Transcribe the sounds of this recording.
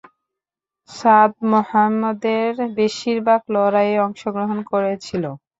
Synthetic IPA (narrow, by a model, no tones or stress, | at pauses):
ʃad̪̚mohamːɔd̪eɾbeʃiɾbaɡlɔɾajeɔŋʃoɡɾoɦonkoɾet͡ɕʰilo